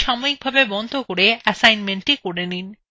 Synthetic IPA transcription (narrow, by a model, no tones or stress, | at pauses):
ʃamoik̚bʱabebɔnd̪ʱokoɾeɛsajnmeɳʈikoɾenin